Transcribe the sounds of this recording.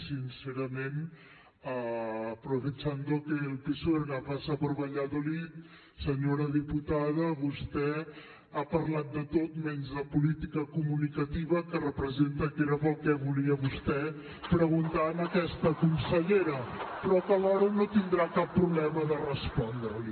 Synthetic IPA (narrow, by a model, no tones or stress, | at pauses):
sinseɾəmen | əːpɾufet͡ʃand̪okelˠpisoeɾnafasəβəɾβəʎaðolit̪ | səɲoɾəðiput̪að̞əβust̪ɛ | apəɾlat̪̚d̪ət̪ot̪mɛnzðəpulit̪ikəkumunikət̪iβəkərəpɾəzent̪əkeɾəpəlˠkɛβuliəβust̪ɛ | pɾəɣunt̪aəməkɛst̪əkunsəʎeɾəpɾɔkəlɔɾənot̪ind̪ɾakapːɾuβlɛməðərəspɔnd̪ɾəli